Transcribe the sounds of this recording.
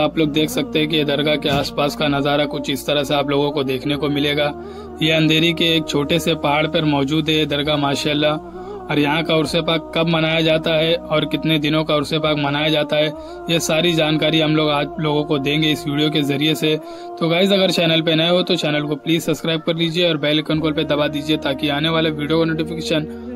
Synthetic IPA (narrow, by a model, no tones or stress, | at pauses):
aːploːɡ̚d̪eːkʰsɐk̚t̪ẽɦɛ̃k̬ijed̪ɐɾɡakeaːspaːskanɐzaːɾakʊt͡ʃʰɪst̪ɐɾəɦseaːploːɡõkod̪eːkʰnekomɪleːɡaː | jeɐ̃nd̪ʱeːɾikeeːk̚t͡ʃʰoːʈesepaɦaːɽpɐɾmɔːd͡ʒuːd̪ɦɛd̪ɐɾɡamaːʃaːlːa | ɔːɾjɐɦãkaʊɾsepaːkːɐbmɐnaːjad͡ʒaːt̪aɦɛɔːɾkɪt̪ned̪ɪnõkaʊɾsepaːkmɐnaːjad͡ʒaːt̪aɦɛː | jesaːɾid͡ʒaːnkaːɾiɦɐmloːɡaːd͡ʒloːɡõkod̪ẽːŋɡeɪsʋiːɖijok̬ezɐɾiese | t̪oɡaːɪzɐɡəɾt͡ʃɛːnəlp̬enɐ̃ɦot̪ot͡ʃɛːnəlkopliːzsɐbskɾaːɪb̚kɐɾliːd͡ʒieɔːɾbɛːlkənkoːlped̪ɐbad̪iːd͡ʒiet̪aːkiaːneʋaːleʋiːɖijokanoːʈɪfɪkeːʃən